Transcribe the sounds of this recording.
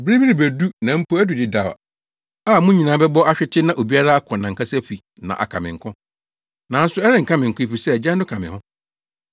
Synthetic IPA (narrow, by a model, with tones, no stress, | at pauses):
bɾi˦mĩ˦nĩ˨bæ˨du˦nã˨m̩˦pʰo˦æ˦du˨dɪ˨da˨a̰˨ | aː˦˨mũ˦ɲĩ˨nã˨˦bɛ˦bɔ˦a˦ɕᶣɪ˦tʰɪ˦nã˨ʔo˨bi˦a˦ɾa˦a˦kʰɔ̃˨nã˨ŋ̩˨kʰa˦sɛ˦fi˨ | nã̰˨ʔa̰˨kʰã̰˨mɪ̃˨ŋ̩˨kʰʊ̃˦ | nã˨˦n̩˦sʊ˨˦ɛ˦ɾɪ̃˦ŋ̩˨kʰã˦mɪ̃˨ŋ̩˨kʊ̃˦i˨fi˨sɛ˦˨d͡ʑã˦n˦dʊ˦kʰã˨mɪ̰̃˨hʊ̃˦